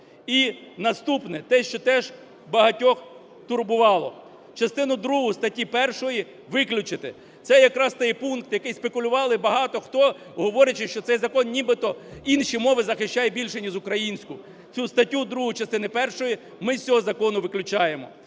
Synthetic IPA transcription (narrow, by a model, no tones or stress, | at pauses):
inɐst̪upnɛt̪ɛʃt͡ʃɔt̪ɛʒ | bɐɦɐtʲɔx | t̪ʊrbʊʋɑlˠɔ̰ | t͡ʃɐst̪ɪnʊd̪ɾuɦʊst̪ɐtʲipɛrʃɔji | ʋɪklʲʊt͡ʃɪt̪ɪ | t̪sɛjɐkɾɑst̪ɛjpunk̚t̪jɐkɪjspekʊlʲʊʋɑlˠɪbɐɦɑt̪ɔxt̪ɔ | ɦɔʋɔɾʲɐt͡ʃɪʃt͡ʃɔt̪sɛjzɐkɔnnʲibɪt̪ɔinʃimɔʋɪzɐxɪʃt͡ʃɑjɛbʲilʲʃɛnʲizʊkɾɐjinʲsʲkʊ | t͡sʲust̪ɐtʲːud̪ɾuɦʊt͡ʃɐst̪ɪnɪpɛrʃɔji | mɪsʲsʲɔɦɔzɐkɔnʊʋɪklʲʊt͡ʃɑjemɔ̰